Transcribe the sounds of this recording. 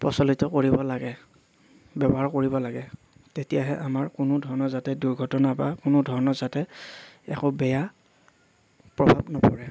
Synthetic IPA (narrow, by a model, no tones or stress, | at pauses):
pɔsɔlitɔkoɹibɔlaɡɛ | bɛbɔɦaɹkoɹibɔlaɡɛ | tetijaɦɛʔamaɹkʊnʊdʱɔɹɔnɔzatɛduɹɡʱɔtɔnapa̰kʊnʊdʱɔɹɔnɔzatɛɛ̰kʊbɛja | pɹɔbʱabnɔpɔ̰ɹɛ